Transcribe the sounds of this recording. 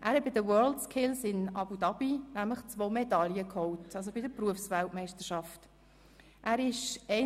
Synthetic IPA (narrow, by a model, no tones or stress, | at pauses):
ʔæːɾhɛt̚bɪdəwɜːldskʰɪlsɪnɑbudɑb̥inæmləχt͡svoːmɛdɑljəkhɔwtɑls̬obɪdəpruəfsvæltmɛɪstəʃɑft | ʔæːɾɪʃɛ